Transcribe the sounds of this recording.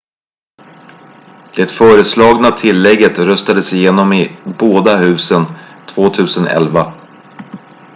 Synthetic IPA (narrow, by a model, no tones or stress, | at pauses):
d̪̥ɛt̪fœːɾəslɑːɡnat̪ʰɪlːɛɡːət̪ɾœst̪ad̪əsɪjeːnɔmɪboːd̪aɦʉ̟ːsən | t̪ʰvoːt̪ʰʉ̟ːsənʔɛ̰lva